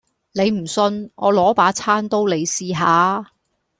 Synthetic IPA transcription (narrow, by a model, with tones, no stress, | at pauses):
ne˨˧jm̩˨˩sɵ˧nŋʔɔ̰ː˨˧lɔː˨˥paː˨˥t͡sʰaː˥nt̪o˥wle˨˧jsiː˧ɦaː˨˧